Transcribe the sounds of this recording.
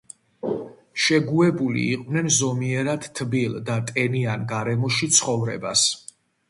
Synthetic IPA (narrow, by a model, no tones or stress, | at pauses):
ʃɛɡuɛbulḭːqʼvnɛnzɔmiɛɾad̪t̪ʰːbild̪at̪ʼɛnianɡaɾɛmɔʃit̪sʰχɔvɾɛ̰bas